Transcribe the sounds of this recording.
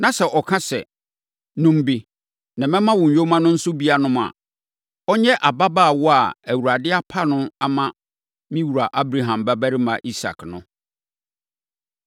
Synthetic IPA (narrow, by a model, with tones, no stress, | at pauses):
nã˨sɛ˨ʔɔ˨kʰã˦sɛ̰˨ | nũ˨m˨bi˨ | nã˨mɛ̃˦mã˦wʊ˨ɲ̩˨ɥo˦mã˦nʊ̃˦n̩˦sʊ˦bi˦a˨nʊ̃˦m˨a̰˨ | ɔ˦ɲɛ˦ʔa˨ba˦baː˦˨wɔ˦a˨æ˨wu˨ɾa˨dɪ˦a˦pʰa˦nʊ̃˦a˦mã˦ | mĩ˦wu˨ɾa˨ʔa˦bɾa˨ɦã˨mbæ˦bæ˦ɾɪ˦mã̰˨ʔi˦sa̰˨knʊ̃˦